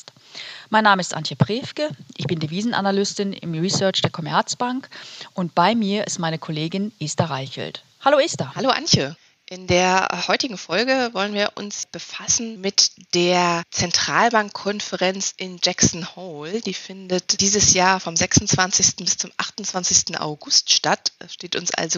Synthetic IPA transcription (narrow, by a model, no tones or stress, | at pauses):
t | maɪnːaːməɪstʔa̰nçəpʁ̥eːfkəʔɪçb̥ɪndeviːzn̩ʔa̰nalʏstɪnɪ̰mʁisœɐt͡ʃd̥eːɐkʰɔmɛ̰ɐt͡sb̥aŋkʔʊntb̥aɪmiːɐʔɪ̰stmaɪnəkʰoleːɡɪnʔeːstaʁaɪçə̰l̩t | haloːeːstɐhaloːʔa̰nçə | ʔɪndeːɐhɔʏtɪɡŋ̩fɔlɡəvɔlənviːɐʔʊ̰nsb̥əfasn̩mɪtd̥eːɐt͡sɛntʁ̥aːlbaŋkʰːɔnfəʁɛnt͡sʔɪnd͡ʒɛksn̩hoːld̥iːfɪndətd̥iːzəsjaːɐfɔmzɛksʊnt͡sv̥ant͡sɪçstn̩bɪst͡sʊmʔaχtʊnt͡sv̥ant͡sɪçstn̩ʔa̰ʊɡʊstʃtatɛsʃteːtʊnsʔa̰lzo